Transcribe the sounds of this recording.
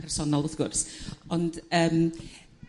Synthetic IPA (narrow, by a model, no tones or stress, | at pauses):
ɛrsɔnɔlˠoθɡ̥ʊrsɔndəːm